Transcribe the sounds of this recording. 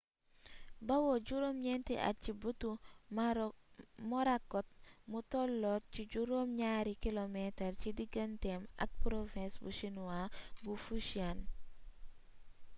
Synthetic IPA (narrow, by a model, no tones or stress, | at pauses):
bawoɟuɾomɲɛntḭʔa̰t͡ʃibutum | mɔɾakɔt̚mutɔlːɔt̚t͡ʃiɟuɾomɲaɾikilometaɾt͡ʃidiɡantema̰k̚pɾofɛ̃nsbṵʃinuwabufuʃian